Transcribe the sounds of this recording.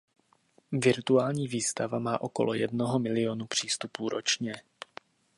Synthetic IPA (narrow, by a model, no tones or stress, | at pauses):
vɪɾt̪uaːlɲiːviːst̪avamaːʔo̞ko̞̰lʔojɛdno̞ɦo̞mɪlɪo̞nupr̝̥iːst̪upuːɾʔot͡ʃɲɛ